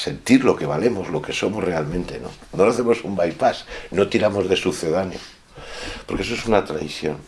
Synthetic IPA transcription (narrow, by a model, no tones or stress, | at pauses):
se̞nt̪iɾlo̞ke̞β̞ale̞mo̞zlo̞ke̞so̞mo̞zre̞almẽnt̪e̞no̞̰ | nolaθe̞mo̞sumbajpasno̞t̪iɾamo̞zðe̞suθe̞ðanjo | po̞ɾkeesoe̞sunat̪ɾajθjo̞̰n